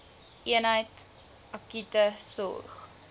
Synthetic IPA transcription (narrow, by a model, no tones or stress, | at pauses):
ʔiənɦəjt | ɐkytəsɔ̰rχ